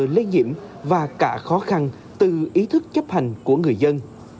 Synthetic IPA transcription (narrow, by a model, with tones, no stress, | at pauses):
li˧nɲḭ˧˩əmvaː˨˩kaː˧˩xɔ˨˦xa˧n | t̪ɨ˨˩ʔi˨˦t̪ʰɨ˦˥k̚t͡ɕə˦˥p̚ha˨˩jŋ̟ku˧˩əŋɨ˨˩əjzə˧n